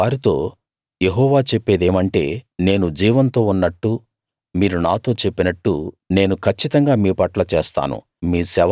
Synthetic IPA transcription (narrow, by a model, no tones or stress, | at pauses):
aːɾit̪o̞ː | je̞ɦɔːʋaːt͡ʃe̞pːe̞ːd̪e̞ːmɐɳʈe̞̰ːne̞ːnud͡ʒiːʋɐnt̪o̞ːunːɐʈːu | miːɾunaːt̪o̞ːt͡ʃe̞pːinɐʈːṵ | ne̞ːnukʰɐt͡ʃːit̪ɐŋɡaːmiːpɐʈlɐt͡ʃeːst̪a̰ːnṵ | miːsɛʋ